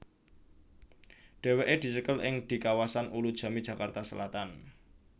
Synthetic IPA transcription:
ɖ̥e̤weʔed̪̥i̤səkəlʔɪ̰ŋd̪̥i̤kawasanʔulud̥ʒ̥ä̤mid̥ʒ̥ä̤kart̪asəlat̪an

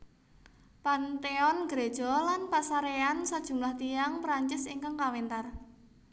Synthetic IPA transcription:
pant̪eɔnɡ̥ɾed̥ʒ̥ɔ̤lanpasaɾeansad̥ʒ̥ṳmlaht̪iaŋpɾaɲt͡ʃɪsiŋkaŋkawint̪ar

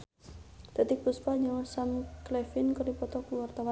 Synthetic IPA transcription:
d̪̥a̤t̪ɪk̚buspaɲɔsamklɛfɪnkɔripɔt̪ɔkuwart̪awa

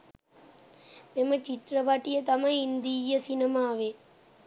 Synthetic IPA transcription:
memɐt͡ʃit̪ɾɐʋaʈijɐt̪ɐmɐjind̪ijɐsinɐmaːʋe

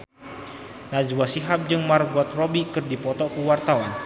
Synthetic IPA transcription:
nad͡ʒwasiɦap̚d͡ʒɨŋmarɡɔt̪̚robikɨrdipɔt̪ɔkuwart̪awan

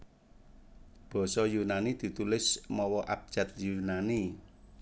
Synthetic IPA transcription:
b̥ɔ̤sɔjunanid̪̥i̤t̪ulɪsmɔwɔʔap̚d̥ʒ̥ä̤t̪̚junani

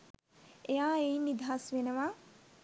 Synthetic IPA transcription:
ejaːeinːid̪ʱɦasʋenəʋa

